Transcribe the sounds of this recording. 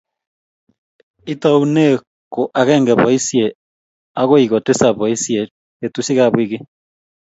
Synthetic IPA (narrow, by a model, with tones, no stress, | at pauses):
i˦ta˦u˦ne˦ | ko˨ʔa˨ɣeː˦ŋɡe˨βo˨isje | a˦ɣo˦iɣo˨te˦saβo˨i˦sje | etusi˦ɣaβwiɣe˦